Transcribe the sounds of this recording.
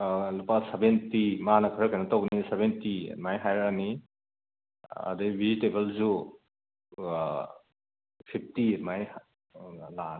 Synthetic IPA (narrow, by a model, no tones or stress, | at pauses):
lupasebentimanɐkʰɔɾakanɐtowɡnisebentḭmajɦajɾani | a̰dejbʱizitebəlzu | pʰip̚ʰtimaj | la